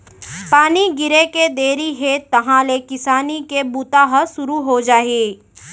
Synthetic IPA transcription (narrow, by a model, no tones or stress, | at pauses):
paːniɡɪɾeked̪eːɾiɦet̪ɐɦãlekɪsaːnikebuːt̪aɦəsʊɾuɦod͡ʒaːeː